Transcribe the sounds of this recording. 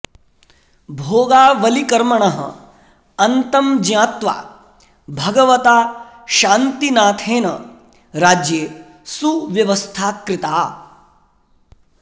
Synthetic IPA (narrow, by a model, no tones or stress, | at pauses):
bʱoːɡaːʋɐlikɐɾmɐɳɐɦɐ̰ | ɐnt̪ɐmd͡ʒjãːt̪ʋa̰ː | bʱɐɡɐʋɐt̪aː | ʃaːnt̪inaːt̪ʰeːnɐ | ɾaːd͡ʒjeː | suʋjɐʋɐst̪ʰaːkɾɪt̪aː